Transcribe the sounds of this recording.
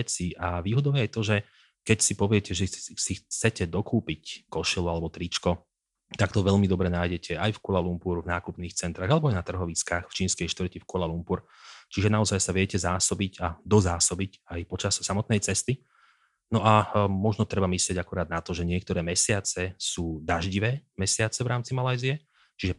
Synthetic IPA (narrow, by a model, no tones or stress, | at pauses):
t͡siʔaʋiːɦɔd̪ɔʊjɛajt̪ɔʒɛ | kɛcsipɔʋɪɛcɛʒɛsixt͡sɛcɛd̪ɔkʰuːpickɔʃilualɛbɔt̪ɾit͡ʃkɔ | t̪akt̪ɔʋɛʎmid̪ɔbɾɛnaːjɟɛcʰɛajfkulalumpuːɾvnaːkupniːxt͡sɛnt̪ɾaːɣalɛbɔajnat̪r̩ɦɔʋit͡skaːxft͡ʃiːnskɛjʃt̪ʋr̩cifkɔlalumpuɾ | t͡ʃiʒɛnaɔzajsaʋɪɛcɛzaːsɔbicad̪ɔzaːsɔbicajpɔt͡ʃassamɔt̪nɛjt͡sɛst̪i | nɔʔamɔʒnɔt̪ɾɛbamislɪɛɟakɔɾaːd̪̚nat̪ɔʒɛɲɪɛk̚t̪ɔɾɛːmɛsɪat͡sɛsuːd̪aʒɟiʋɛːmɛsɪat͡sɛvɾaːmt͡simalajziɛ | t͡ʃiʒɛ